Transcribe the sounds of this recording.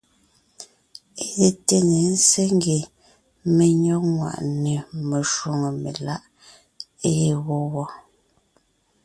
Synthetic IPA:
e˦˨ɣe˨te˦ɲe˨n̩˦se˦ŋ˦ɡe˨ | me˨ɲɔ˦k̚ŋwa̰˨ʔne˨me˨ʃwo˨ŋə˨mḛ˨la˦ʔ | e˦je˨ɣo˦ɣɔ˦

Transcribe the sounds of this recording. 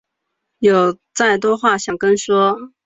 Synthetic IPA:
jo˨˩ʊt͡sa˥˩ɪt̪̬wɔ˥xwa˥˩ɕjɑ˨˩ŋkə˥nʂwɔ˥

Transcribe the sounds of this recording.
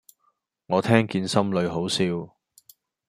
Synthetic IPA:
ŋɔː˨˧t̪ʰɛː˥ŋkiː˧nsɐ˥mlɵ˨˧ɥɦo˨˥wsiː˧w

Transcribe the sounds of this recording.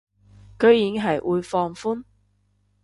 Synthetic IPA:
kɵ˨˧ɥji˨˧ŋɦɐ˨jʔuː˨˧jfɔː˧ŋfuː˥n

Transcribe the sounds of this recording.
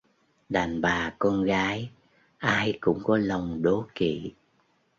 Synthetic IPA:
ɗaː˨˩nɓaː˨˩kɔ˧nɣaː˨˦j | ʔaː˧jkʊ̰˧˥ŋ͡mkɔ˨˦lə˨˩wŋ͡mɗo˨˦kḭ˧˨

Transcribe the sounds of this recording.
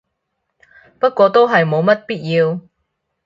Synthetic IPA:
pɐ˥t̚kʷɔː˧t̪o˥wɦɐ˨jmo˨˧wmɐ˥t̚piː˥t̚jiː˧w

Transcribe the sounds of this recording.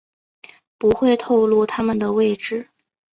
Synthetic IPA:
pu˧˥xwe˥˧ɪt̪ʰo˥˧ʊlu˥˩t̪ʰa˥mə˨˩nd̪ə˩we˥˧ɪʈ͡ʂɻ̩˥˩

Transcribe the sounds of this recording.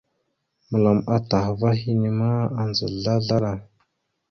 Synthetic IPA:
mə˨la˨ma˨ta˨xva˦ɦi˦ni˨ma˦a˨nzə̰˨ɮa˦ɮa˦ɾa˦˨

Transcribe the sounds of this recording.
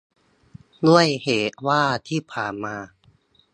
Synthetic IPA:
lu˥˩əjheː˨˩˦t̪̚waː˥˩t̪ʰiː˥˩pʰaː˨˩nmaː˧

